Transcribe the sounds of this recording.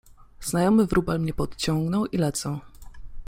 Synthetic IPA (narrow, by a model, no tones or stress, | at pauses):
znajɔmɘvɾubalmɲɛpɔt̪t͡ɕɔŋɡnɔwʔilɛt̪sɔ̃w